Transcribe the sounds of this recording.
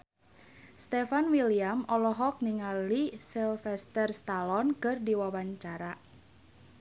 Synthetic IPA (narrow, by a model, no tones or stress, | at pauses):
st̪ɛfanwiliamɔlɔɦɔk̚niŋalisɛlfɛst̪ərst̪alɔnkɨrdiwawaɲt͡ʃaɾa